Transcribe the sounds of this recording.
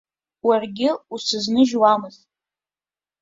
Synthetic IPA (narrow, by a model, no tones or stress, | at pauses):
warɡʲɪusɨznɨʒwamɨz